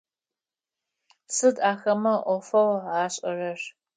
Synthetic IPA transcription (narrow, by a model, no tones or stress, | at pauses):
sɨdaːxɐmɐʔʷɔfɐwaːɕʼɐrɐr